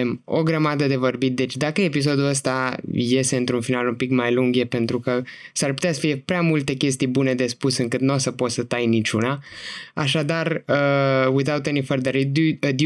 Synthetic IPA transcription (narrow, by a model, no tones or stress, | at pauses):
emo̞̰ɡɾəmad̪əd̪e̞vo̞rbit̪̚d̪e̞t͡ʃʲd̪akəepis̬o̞d̪uəst̪aje̞st̪e̞ɨnt̪ɾunfinalumpikmajluŋɡjepe̞nt̪ɾukəsarpu̥t̪easə̥fije̞pɾeamult̪e̞kʲe̞s̬t̪ijbune̞d̪e̞spusɨŋkɨt̪nuosəpo̞t̪sət̪ajnit͡ʃunaa̰ʃad̪arəwiθawt̪enifəɾd̪əɾid̪uəd̪